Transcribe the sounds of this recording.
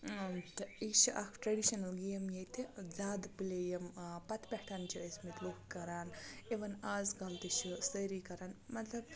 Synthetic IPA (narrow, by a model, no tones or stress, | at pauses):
t̪iʃuʔɐkʰʈɾɐɖiʃɐnɐlɡijɐmjɐjt̪ʰed͡zaːd̪pilejɐmpɐt̪pʲɛhʈʰant͡ʃʰiɐsmit̪lukkɐɾaːneʋɐnaːzɡɐlt̪iʃusɐɾikɐɾaːnmɐt̪lɐb̚